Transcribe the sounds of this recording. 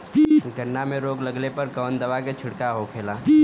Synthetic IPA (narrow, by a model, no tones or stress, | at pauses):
ɡəɳːamẽɾoːɡləɡlepɐɾɡəʋənd̪əʋaket͡ʃʰɪɽkaɦokʰeːlaː